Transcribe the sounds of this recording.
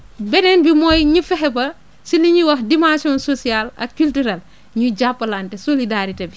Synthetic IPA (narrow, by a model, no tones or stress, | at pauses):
bɛnɛnbimɔːjɲufɛɦɛbɐ | siliɲiwɐxdimãnsiɔːnsosialɐ̰k̚kultuɾal | ɲuɟapːɐlaːntɛsolidaɾitɐbi